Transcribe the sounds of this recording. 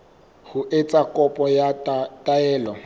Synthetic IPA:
hʊʔet͡sʼakʼɔpʼɔjatʼaɛːlɔ

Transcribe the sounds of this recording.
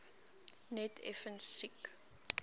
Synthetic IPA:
nɛtʰɛ̰fənsik

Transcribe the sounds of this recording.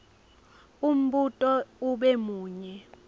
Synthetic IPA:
um̩ɓutʼɔuɓɛmuːɲɛ

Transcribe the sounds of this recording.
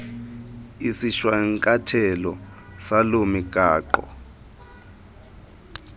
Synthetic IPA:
isiʃwaŋkʼatʰɛlɔ | salomikʼaːǃɔ̰

